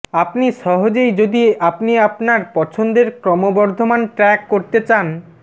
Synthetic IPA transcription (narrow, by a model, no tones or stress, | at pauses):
apniʃɔɦod͡ʑejd͡ʑod̪iapniapnaɾpɔt͡ɕʰond̪eɾkɾɔmobɔɾd̪ʱomanʈɾɛkːoɾt̪et͡ɕan